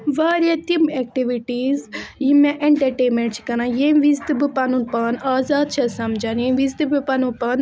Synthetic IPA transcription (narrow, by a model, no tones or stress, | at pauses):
ʋaːɾijat̪imɛk̚ʈiʋiʈiːzjimãʔeɳʈɐɾʈeːmẽɳʈt͡ʃʰi̥kɐnãːjeʋizd̪ɨbɨpɐnunpaːnaːzaːd̪̚t͡ʃʰɐsɐmd͡ʒanẽʋizd̪ɨbɨpɐnũpaːn